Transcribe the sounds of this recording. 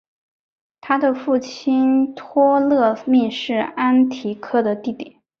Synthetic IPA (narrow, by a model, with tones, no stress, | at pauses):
t̪ʰa˥d̪ə˨fu˥˩t͡ɕʰi˥nt̪ʰwɔ˥lɤ˥˧mi˥˧ʂɻ̩˥˩a˥nt̪ʰi˧˥kʰɤ˥d̪ə˨t̪i˥˩t̪jɛ̰˨˩˦n